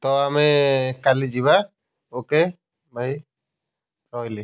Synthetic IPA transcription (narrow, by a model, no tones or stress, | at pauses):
t̪ɔamɛkalid͡ʒiba | oke | baj | ɾɔjli